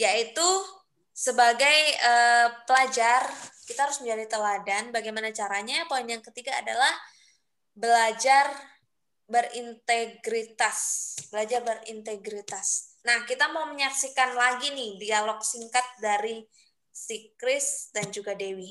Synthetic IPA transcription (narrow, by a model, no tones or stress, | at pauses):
jait̪u | səbaɡajəpəlad͡ʒarkit̪ahaɾʊsməɲd͡ʒadit̪əladanbaɡajmanat͡ʃaɾaɲapoinjaŋkət̪iɡa̰ːda̰lah | bəlad͡ʒar | bərint̪eɡɾit̪asb̥əlad͡ʒarbəɾḭnt̪eɡɾit̪asnahkit̪amauməɲaksikanlaɡinɪhdialɔk̚siŋkat̪̚daɾi | sikɾɪsdand͡ʒuɡadewi